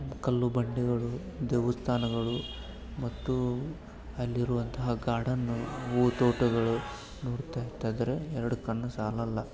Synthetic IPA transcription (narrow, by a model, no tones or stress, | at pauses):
kɐlːubɐɳɖiɡɐɭu | d̪eːʋɐst̪ʰaːnɐɡɐɭu | mɐt̪ːu | ɐlːiɾuʋɐnt̪ɐɦɐɡaːɽɐnːuuːt̪oːʈuɡɐɭu | noːɽt̪aːjit̪ːaːd̪ɐɾeɛɾɐɽukɐɳːɐsaːlɐlːɐ